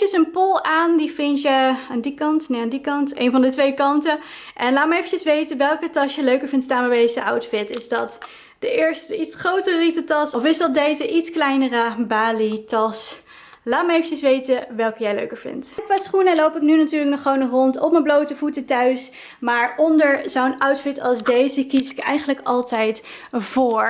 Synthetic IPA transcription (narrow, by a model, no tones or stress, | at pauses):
əsənpʊlˠaːndivɪntəaːndikɑntnejaːndikɑntḛjnvɑndətʋejkɑntə | ʔɛnlaːt̚maejfəncəsʋejtəʋɛlˠkətɑsjəløɥkəɹvɪntstaːnmbɛbejzəɑwtfɪtɪzdɑt | d̥əʔɪːɹstəitsχrowtərəritətɑsɔfɪzdɑt̚dejzəʔitsklɛjnərəbaːlitɑs | laːt̚maejfənt͡ʃənsʋejtəʋɛlˠkəjɛjlø̰ɥkəɹvɪ̰ntkʋaːsχunəlowpɪk̚nynatyːɹləknɔχəʋownəχrɔntɔp̚məblowtəvutətœɥs | maːɹɔndəɹzownawtfɪtɑ̰lˠzdejzəkizɪ̥kɛjχənləkɑlˠtɛjt | vʊːɹ